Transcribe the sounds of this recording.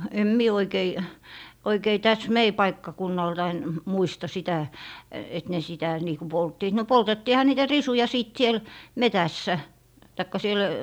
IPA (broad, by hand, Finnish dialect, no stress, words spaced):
em mie oikei tæs mei pɑikːɑkunːɑltɑin muistɑ sitæ et ne sitæ niː ku poltːiːt no poltetːiːhɑ niːtæ risujɑ siˑt siel metæsːæ tɑikːɑ siel